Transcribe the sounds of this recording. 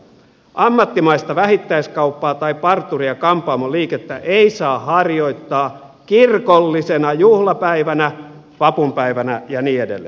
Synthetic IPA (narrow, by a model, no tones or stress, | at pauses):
ʔɑmːɑt̪ːimɑist̪ɑʋæhit̪ːæiskɑupːɑːt̪ɑipɑrt̪ːuriɑkɑmpˑɑːmoliːket̪ːæʔeisɑːhɑrjo̞it̪ːɑː | kirkolːisenɑjuhlɑpæiʋænæ | ʋɑpumpæiʋænæjɑniːedḛlːḛ